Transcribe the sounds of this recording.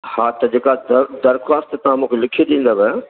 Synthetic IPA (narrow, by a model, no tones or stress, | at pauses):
haːt̪ɐd͡ʑeːkad̪d̪ɐɾxʋaːst̪t̪ɐʋ̤ãmũːkʰelɪkʰied̪ĩːn̆d̪abɛ